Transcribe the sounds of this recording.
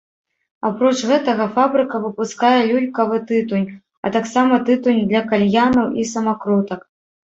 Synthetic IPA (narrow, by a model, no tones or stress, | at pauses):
apɾɔt͡ʂɣɛt̪ɐɣɐfabɾɨkɐvɨpuskajɛlʲulʲkɐvɨt̪ɨt̪unʲ | ɐ̰t̪aksamɐt̪ɨt̪unʲd̪lʲɐkalʲjanɐwʔisɐmakɾɔt̪ɐk